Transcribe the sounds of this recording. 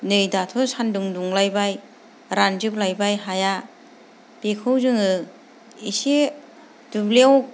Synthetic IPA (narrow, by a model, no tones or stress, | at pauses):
nɯjdatʰɔsanduŋduŋlajbaj | ɾand͡ʒɯp̚lajbajɦaja | b̥ekʰɯwzɯŋɯ | ise | dublew